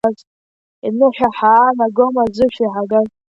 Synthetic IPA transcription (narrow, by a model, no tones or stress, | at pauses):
az | inɨħʷᶣaħaːnaɡomazɨʃʷᶣiħaɡaz